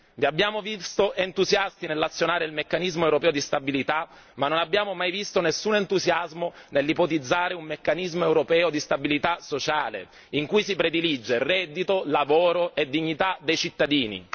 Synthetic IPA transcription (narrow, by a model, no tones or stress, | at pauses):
viabːjaːmovist̪oʔent̪uzjast̪inelːat̪sːjonaːɾeilmekːanizmoewɾopɛːod̪ist̪abilit̪a | manːonabːjaːmomajvist̪onesːunent̪uzjazmonelːipot̪id̪zːaːɾeummekːanizmoewɾopɛːod̪ist̪abilit̪asot͡ʃaːlḛ | iŋkujsipɾed̪ilid͡ʒːerɛd̪ːit̪olavoːɾoed̪iɲːit̪ad̪ejt͡ʃit̪ːad̪iːnḭ